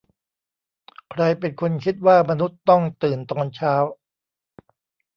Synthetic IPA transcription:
kʰɾa˧jpe˨nkʰo˧nkʰi˦˥t̪̚waː˥˩ma˧nu˦˥t̪̚ːɔ˥˩ŋt̪ɯː˨˩nt̪ɔː˧nt͡ɕʰaː˦˥w

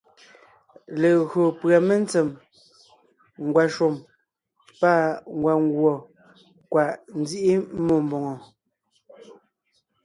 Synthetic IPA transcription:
le˨ɣɰo˨pɰa˨me˦n˦t͡se˨m | ŋ˨ɡwa˨ʃo˨m | pa˦˨ŋ˨ɡwa˨ŋ˦ɡwɔ˨ | kwa˨ʔn̩˦d͡zi˦ʔi˦mo˦˨mbo˨ŋɔ˨

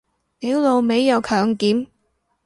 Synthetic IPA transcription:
ni˨˥wlo˨˧wme˨˧jːɐ˨˧wkʰœː˨ŋkiː˨˥m

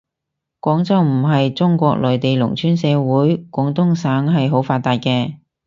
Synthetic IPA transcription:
kʷɔː˨˥ŋt͡sɐ˥wm̩˨˩ɦɐ˨jt͡sʊ˥ŋkʷɔː˧k̚lɔː˨jt̪e˨jlʊ̰˨˩ŋt͡ʃʰyː˨˥nsɛː˨˧wuː˨˥jkʷɔː˨˧˥ŋt̪ʊ˥ŋsaː˨˥ŋɦɐ˨jɦo˨˥wfaː˧t̪aː˨˧t̚kɛː˧

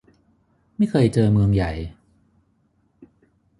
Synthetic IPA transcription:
ma˥˩jkʰɤː˧jt͡ɕɤː˧mɯ˧əŋja˨˩j

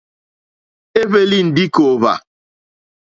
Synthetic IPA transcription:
e˦ve˦li˦n̩˨dɪ˦ko˨va̰˨

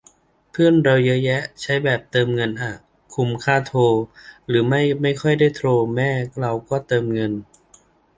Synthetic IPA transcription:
pʰɯ˥˩ənɾe˧wja˦˥jɛ˦˥ʔt͡ɕʰa˦˥jbɛː˨˩p̚t̪ɤː˧mŋɤ˧nʔa˨˩ | kʰu˧˩mkʰaː˥˩t̪ʰoː˧ɾɯː˩˦ma˥˩jma˥˩jkʰɔ˥˩jda˥˩jt̪ʰɾoː˧mɛː˥˩ɾa˧wkɔː˥˩t̪ɤː˧mŋɤ˧n

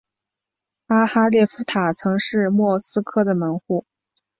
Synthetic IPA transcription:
a˥xa˥ljɛ˥˩fu˧˥t̪ʰa˨˩t͡sʰɤ˧˥ŋʂɻ̩˥˧mwɔ˥˩sɹ̩˥kʰɤ˥˩d̪ə˨mə˧˥nxu˥˩

